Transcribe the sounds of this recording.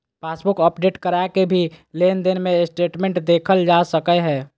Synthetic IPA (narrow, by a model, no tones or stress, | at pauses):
paːsbʊkəpɖeːʈkəɾakebʱileːnd̪ɪnmẽsʈeːʈmẽɳʈd̪eːkʰəld͡ʒasəkəɦɛː